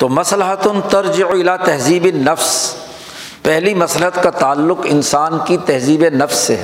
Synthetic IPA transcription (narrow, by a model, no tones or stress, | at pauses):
t̪oːmɐslɪɦət̪ʊnt̪ɐɾd͡ʒɪʕɪlaːt̪ɐɦziːbɪnɐfs | pɛɦlimɐslɪɦət̪kat̪aːlːʊqɪnsaːnkit̪ɐɦziːbenɐfsːeɦ